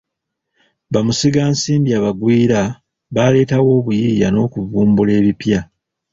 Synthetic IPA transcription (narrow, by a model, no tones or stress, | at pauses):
βamusiɡaːnsiːmbiaβaɡwiːɾa | βale̞ːtawo̞ːβujiːja̰no̞ːkuvuːmbule̞ːβipja